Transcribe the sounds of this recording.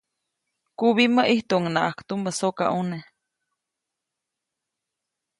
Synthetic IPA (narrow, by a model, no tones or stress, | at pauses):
kuβiməʔiht̪uʔŋnaʔakt̪uməsoka̰ʔune